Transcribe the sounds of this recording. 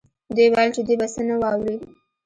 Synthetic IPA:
d̪ewajlt͡ʃed̪webasənawɑwɾi

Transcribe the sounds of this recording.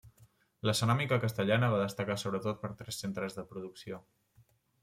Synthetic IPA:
ləsənamikəkəst̪əʎanəβaðəst̪əkasoβɾət̪ot̪̚pəɾt̪ɾɛsːent̪ɾəzðəpɾuðuksio

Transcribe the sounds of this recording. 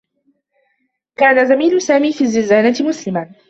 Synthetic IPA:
kaːnazamiːlʊsaːmiːfiːzːɪlzaːnat̪mʊslɪman

